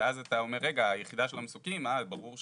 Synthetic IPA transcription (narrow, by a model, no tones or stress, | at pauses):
azat̪ao̞me̞ʁːeɡaːjeχid̪aʃe̞lamesukimalbaʁuʁʃ